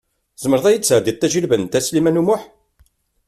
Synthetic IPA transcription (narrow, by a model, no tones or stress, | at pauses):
z̥məɾðˤæjid̪t͡sːʕd̪iðt̪ːæʒəlvənt̪æslimænumʊħ